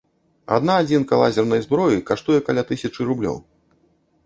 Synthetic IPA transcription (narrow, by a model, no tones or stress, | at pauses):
a̰d̪naːd͡zʲinkalˠa̰zʲɛrnɐjzbɾɔjikaʂt̪ujɛkalʲat̪ɨsʲɐt͡ʂɨɾublʲɔ̰w